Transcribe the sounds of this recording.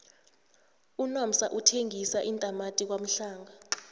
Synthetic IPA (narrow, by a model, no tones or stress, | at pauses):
unɔm̩saʔutʰeŋʱisaʔintʼamatʼik̬wam̩ɬaːŋa